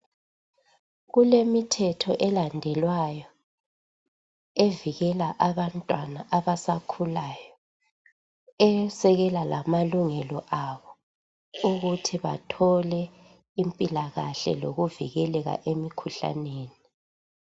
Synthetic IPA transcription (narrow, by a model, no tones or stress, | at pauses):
ɣulemitʰɛtʰɔʔɛlandʱɛlwajɔ | eviɣɛlaʔaβantʼwanaʔaβasakʰulajɔ | ɛsɛɣɛlalamaluŋɛlɔʔaβɔ | uɣutʰiβa̰tʰɔlɛ | impʼilaɣaɬɛ̰loɣuvḭɣɛlɛɣa̰ʔemikʰuɬa̰neːni